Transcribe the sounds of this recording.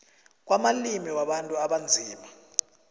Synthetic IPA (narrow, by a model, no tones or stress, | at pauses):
k̬wamalimiwaɓantʼuaɓand͡zʱiːma